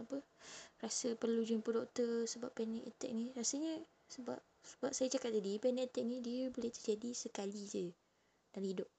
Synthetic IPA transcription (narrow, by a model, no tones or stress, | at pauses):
apərasəpərlud͡ʒʊnpodɔk̚t̪ərsəbapːɛnɛkɛt̪ɛ̰k̚nirasəɲə | səba̰p̚səbap̚sajat͡ʃakat̚t̪adipɛnɛɛt̪ɛk̚nidiəboleht̪ərd͡ʒadisəkalid͡ʒə | dalhidʊp̚